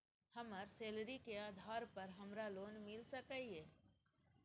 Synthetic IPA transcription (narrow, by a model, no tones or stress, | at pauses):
həməɾseːlɾikeaːd̪ʱaːɾpəɾɦɐmɾaloːnmɪlsəkəiɦeː